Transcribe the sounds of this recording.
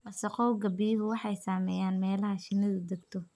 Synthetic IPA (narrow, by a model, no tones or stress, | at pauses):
wɐsɐqɔwɡɐbɪjɦʊwɑħɑjsaːmɛːjaːnmɛːlɐɦɐʃɪnɐðʊd̪ɐɡt̪ʰɔ